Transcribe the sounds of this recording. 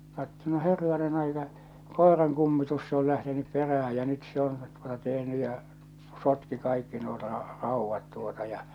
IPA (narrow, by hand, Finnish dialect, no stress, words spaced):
kɑtːo no herːɑnen ɑikɑ koˑerɑŋ kumːitus se ol læhtenyp peræhæ jɑ nyt se on tuotɑ tehny jɑ sotki kɑikːi nuo rɑ rɑˑuʋːɑt tuotɑ jɑ